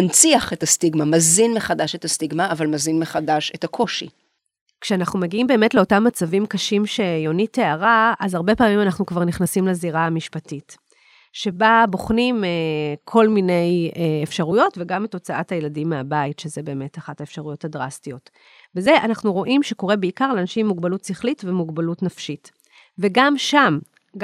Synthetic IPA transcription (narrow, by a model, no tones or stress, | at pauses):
nt͡siaχe̞tastiɡmamazinmeχadaʃethastiɡmaːvalmazinmeχadaʃethakʰo̞ʃḭ | kʃeanaχnumeɡiimbe̞ːme̞tle̞o̞tamːat͡savimkaʃimʃe̞jo̞nite̞aʁaazaʁbe̞paːmimanaχnukvaʁniχnasimleziʁamiʃpatit | ʃe̞babo̞χnimekʰo̞lmine̞jeefʃaʁujo̞tveɡameto̞t͡saʔathajeladimːeabaitʃezebe̞ːme̞taχataefʃaʁujo̞tadʁastijo̞t | veze̞ʔanaχnuʁo̞ʔimʃeko̞ʁe̞beikaʁleːnaʃimːuɡbalutsiχlitvemuɡbalutnafʃit | veɡamʃam